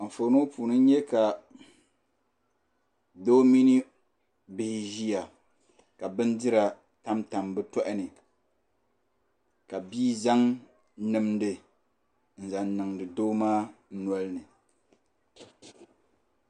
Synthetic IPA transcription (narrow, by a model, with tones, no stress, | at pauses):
m̩˨fo˨no˦puː˨nɨ˦ɲɛ˦ka˨ | doː˦mi˦ni˦ | bɪ˦hɪ˦ʒi˦ja˨ | ka˨bɨ˦ndɨ˦ɾa˨ | ta˦mta˨mbɨ˦tɔ˦ʔɪ˦nɨ˨ | ka˨biː˦za˦ŋ | nɨ˨mdɨ˨ | n̩˨za˨nnɨ˨ŋdɨ˨doː˦maː˦n̩˦nɔ˦lɨ˦nɨ˨